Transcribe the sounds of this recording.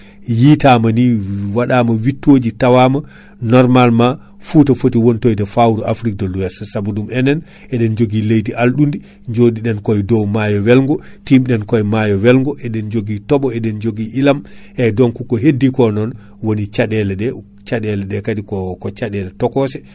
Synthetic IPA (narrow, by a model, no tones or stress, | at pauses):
jitamaniwaɗamawitːod͡ʒitawama | nɔɾmalma | fuːtafotiwontojdɛfawɾɔʔafɾik̚dɔlːuwɛsasabudumɛnɛn | ʔɛɗɛnd͡ʒoɡilejtiʔalɗundi | ɲd͡ʒodiɗɛnkɔjdɔwmajɔwɛlŋɡɔtimɗɛnkɔjmajɔwɛlŋɡɔʔɛɗɛnd͡ʒoɡitɔɓɔɛɗɛnd͡ʒoɡiʔilamʔɛdɔnkukɔɦedːikɔnɔn | wonit͡ʃaɗɛlɛɗɛ | t͡ʃaɗɛlɛɗɛkadikɔkɔt͡ʃaɗɛlɛtɔkɔsɛ